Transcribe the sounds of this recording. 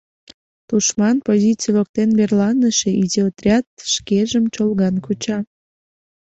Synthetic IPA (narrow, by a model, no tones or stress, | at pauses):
t̪uʃmɑnpozʲit͡sijlok̚t̪enberlɑnəʃeʔizʲeot̪rʲɑt̪̚ʃkeʒəmt͡ɕolɣɑnkut͡ɕɑ